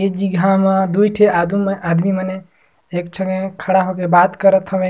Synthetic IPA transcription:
ed͡ʒiɡʱamed̪ujʈʰead̪ad̪miməne | eksʰəŋekʰaɽaɦokebat̪kəɾət̪ʰəbẽ

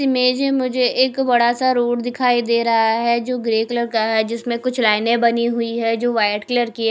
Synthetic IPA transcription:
ɪmeːd͡ʒẽmʊd͡ʒʱeʔeːkbɐɽasaɾoːʈd̪ɪkʰaːid̪eːɾɐɦaɦɛd͡ʒoːɡɾeːkləɾkaɦɛd͡ʒɪsmẽkʊt͡ʃʰlaːɪnẽbɐniɦʊiɦɛd͡ʒoːʋaːɪʈkləɾki

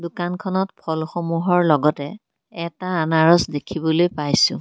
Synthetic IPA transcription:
dukankʰɔnɔtpʰɔlxomuɦɔɹlɔɡɔtɛ | ɛtaːnaɹɔsdekʰibɔlojpajsʊ̰̃

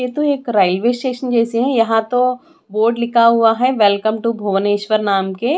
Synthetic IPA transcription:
jet̪oeːkɾaːɪlʋeːsʈeːʃənd͡ʒɛːseɦɛ̃jɐɦãt̪o | boːɾɖlɪkʰaɦuaɦɛʋɛlkəmʈubʱoːʋəneːʃʋəɾnaːmke

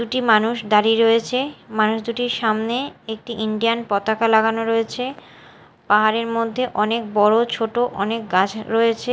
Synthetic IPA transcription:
uʈimanuʃd̪aɾiɾoet͡ɕʰemanuʃd̪uʈiɾʃamneek̚ʈiʔiɳɖianpɔt̪akalaɡanoɾoet͡ɕʰe | paɦaɾeɾmod̪ʱːeʔɔnek̚bɔɽot͡ɕʰoʈoʔɔnek̚ɡat͡ɕʰɾoet͡ɕʰe

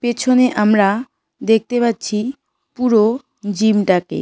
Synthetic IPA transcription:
pet͡ɕʰoneʔamɾa | d̪ek̚ʰt̪epatːɕʰi | puɾo | d͡ʑimʈakḛ

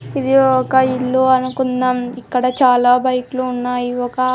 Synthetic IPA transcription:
id̪iɔkɐilːuːɐnukunːaːmikːɐɽɐt͡ʃaːlaːbɐjkuluːnːaːjiɔkɐ

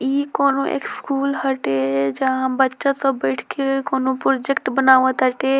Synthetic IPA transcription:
ikoːnoʔḛːkskuːlɦəʈed͡ʒɐɦãbətːʃat̪əbəɪʈʰkekoːnopɾod͡ʒekʈbənaːʋət̪əʈe

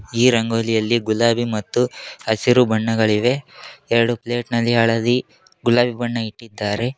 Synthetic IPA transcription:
iːɾɐŋɡoːlijɐlːiɡulaːbimɐt̪ːuɐsiɾubɐɳːɐɡɐɭiʋe̞ɛɾɐɽuple̞ːʈnɐlːiɐɭɐd̪i | ɡulaːbibɐɳːɐiʈːid̪ːaːɾe̞

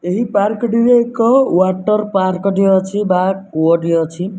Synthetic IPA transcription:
eɦipaɾkɔɖiɾekɔwaʈːʌɾpaɾkɔɖiʌt͡ʃʰibakoɔɖiʌt͡sʰi

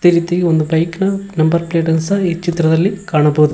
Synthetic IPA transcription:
t̪ɛɾɪt̪ːɐjɔnd̪ɯbɐɪknɐnɐmbɐɾpleːʈɐnsɐit͡ʃːɪt̪ːɾɐðɐlːikaːɳɐpːoːðɯ

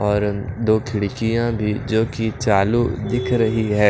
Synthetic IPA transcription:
ɔːɾd̪oːkʰɪɽkijãbʱid͡ʒoːkit͡ʃaːlud̪ɪkʰɾɐɦiɦɛː

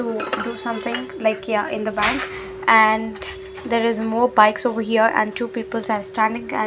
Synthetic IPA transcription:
uɖusʌ̃mt̪ʰɪ̃ŋlaɪkjaʔɪ̃nd̪əbæ̃ŋk | æɳ | d̪eːɾɪzmɔːɾbaɪksoːʋəɾɦiəɾæ̰̃ɳɖ̚ʈuːpiːpəlzaɾsʈæ̃ɳɖɪ̃ŋɛ̰̃

